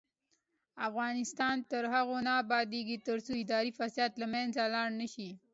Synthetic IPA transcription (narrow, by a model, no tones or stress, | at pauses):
afɣɑnɪst̪ɑnt̪əɾɦaɣonɑːbɑd̪eɡit̪əɾsoɪd̪ɑɾifasjɑt̪lamanzalɑɽnəʃi